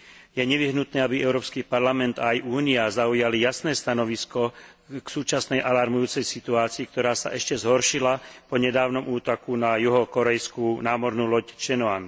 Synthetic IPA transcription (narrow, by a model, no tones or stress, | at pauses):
jɛɲɛʋiɦnut̪nɛːabiɛʊɾɔːpskipaɾlamɛnt̪aːjʔuːniazaujalijasnɛːst̪anɔʋiskɔ | ksuːt͡ʃasnɛjʔalaɾmujuːt͡sɛjsit̪uaːt͡siik̚t̪ɔɾaːsa̰ʔɛʃcɛzɦɔɾʃilapɔɲɛd̪aːʋnɔmuːt̪ɔkunajuɦɔkɔɾɛjskunaːmɔɾnuːlɔct͡ʃɛnɔan